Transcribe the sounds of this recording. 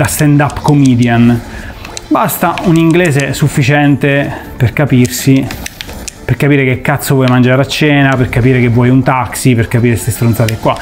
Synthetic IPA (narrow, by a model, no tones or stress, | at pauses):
d̪ast̪ɛnd̪apkomiːd̪jan | bast̪auniŋɡleːzesufːit͡ʃɛnt̪e | perkapirsi | perkapiːɾekekːat̪sːovwɔjmand͡ʒaːɾat͡ʃːɛːnaperkapiːɾekevːwɔjunt̪aksiperkapiːɾest̪est̪ɾont̪sat̪eɛkːwa